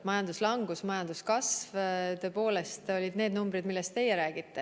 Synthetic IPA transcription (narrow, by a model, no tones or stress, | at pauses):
mɑjɑnd̪uslɑŋɡ̥usmɑjɑnd̪̥uskɑsvt̪ø̞ːpo̞ːle̞st̪o̞lʲid̪ne̞ːd̪numbɾid̪milːest̪t̪e̞jeɾæːɡ̥it̪ːe